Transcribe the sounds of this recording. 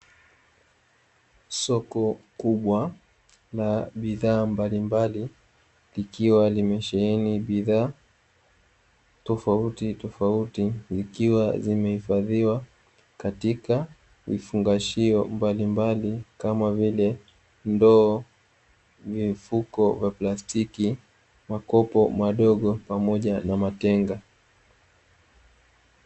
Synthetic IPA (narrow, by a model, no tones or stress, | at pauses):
sɔkɔkuɓwa | laɓiðaːmbalimbali | likiwalimɛʃɛɛniɓiðaː | tɔfautitɔfautizikiwa̰zimɛhifaðiwa | katika | vifuŋɡaʃiɔmbalimbalikamavilɛ | ndɔː | vifukɔvjaplastʰiki | makɔpɔmaɗɔɠɔpamɔʄanamatɛŋɡa